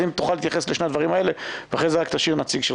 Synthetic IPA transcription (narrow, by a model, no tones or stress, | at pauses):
imt̪uχaliːt̪jaχesleʃne̞ad̪vaʁimae̞leveaχʁezeʁakt̪aʃiʁnat͡siɡʃel